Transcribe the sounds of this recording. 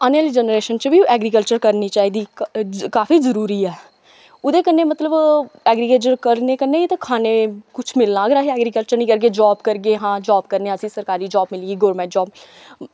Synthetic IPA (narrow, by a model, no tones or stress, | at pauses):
əneld͡ʒɛːnəɾeːʃənt͡ʃəbiːʔɛːɡɾikəlt͡ʃəɾkəɾniːt͡ʃaːiːd̪iːkaːfiːzəɾuːɾiːɛː | ʊd̪eːkənːeːmət̪ləbɛːɡɾiːkəlt͡ʃəɾkəɾneːkənːeːit̪akʰaːneːkʊt͡ʃʰmɪlnaːɡɾaːɦeɛːɡɾiːkəlt͡ʃəɾnĩːkəɾɡeːd͡ʒɔːbkəɾɡeːɦãːd͡ʒaːbkəɾneəsĩːsəɾkaːɾiːd͡ʒaːbmɪliːɡiːɡoːɾmɛ̃ːd͡ʒɔːb